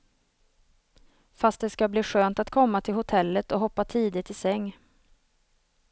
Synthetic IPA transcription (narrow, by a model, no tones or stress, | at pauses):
fast̪̚d̪ɛskabliːɧøːnt̪at̪kʰɔmːat̪ʰɪlhʊt̪ʰɛlːət̪ɔɦɔpːat̪ʰiːd̪ɪt̪ːɪsɛŋː